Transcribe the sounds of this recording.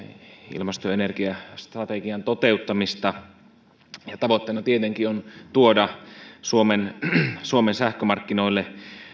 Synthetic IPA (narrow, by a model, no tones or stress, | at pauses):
ḭlmɑst̪oenerkiɑst̪rɑt̪eɡiɑnt̪ot̪eut̪ːɑmist̪ɑ | jɑt̪ɑʋot̪ːenɑt̪iet̪eŋkiont̪uodɑsuomensuomensæhkømɑrkːinoilːe